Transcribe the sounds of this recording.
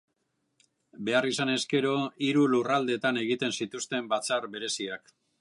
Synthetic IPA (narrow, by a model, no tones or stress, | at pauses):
be̞arisane̞ske̞ɾo̞iɾulurald̪e̞t̪ane̞ɣit̪e̞nsit̪ust̪e̞mbat͡saɾbe̞ɾe̞siak